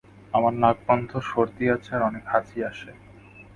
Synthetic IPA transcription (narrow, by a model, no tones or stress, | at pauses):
amaɾnaɡ̚bɔnd̪ʱoʃoɾt̪iat͡ɕʰaɾɔnekhat͡ɕiaʃe